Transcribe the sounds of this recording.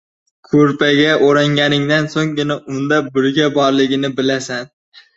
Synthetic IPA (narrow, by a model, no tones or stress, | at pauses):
kʰɵɾpʰaɡʲaʔoɾaŋɡʲanɪŋd̪ansoŋɡʲɪnaʔʊnd̪abɪɾɡʲabɒɾlɪɡʲɪnɪbɪlasan